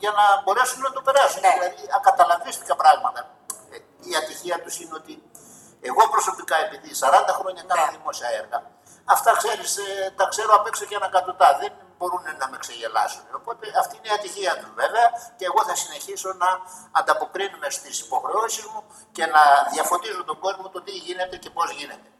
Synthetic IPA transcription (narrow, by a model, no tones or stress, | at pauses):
ʝɐnɐbo̞ɾe̞sunenɐt̪o̞pe̞ɾɐsuneðilɐðiɐkɐt̪ɐlɐɱvist̪i̥kɐpɾɐɣmɐt̪ɐː | ɐt̪içiɐt̪usineo̞t̪i | eɣo̞pɾo̞so̞pikɐe̞piðisɐɾɐnd̪ɐxɾo̞ɲɐkɐnɐðimo̞siɐe̞ɾɣɐ | ɐft̪ɐkse̞ɾist̪ɐkse̞ɾo̞ɐpeksocenɐkɐt̪ot̪ɐðen | bo̞ɾunenɐme̞kseʝe̞lɐ̰suneo̞po̞t̪e̞ɐft̪iineiɐt̪içiɐt̪uzve̞ve̞ɐceːɣo̞θɐsine̞çiso̞nɐːnd̪ɐpo̞kɾinumeso̥t̪isi̥po̞xɾe̞o̞sizmu | ce̞nɐðiɐfo̞t̪izut̪o̞ɡo̞zmo̞t̪ot̪iʝine̞t̪e̞ce̞po̞zʝine̞t̪e̞